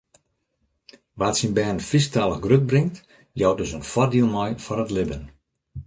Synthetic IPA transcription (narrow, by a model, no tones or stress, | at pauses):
ʋatsinbɛːnfistalˠəxɡrøk̚brɪŋt | jɔwdøsənfɔdilˠmɔjfɔnətlɪbən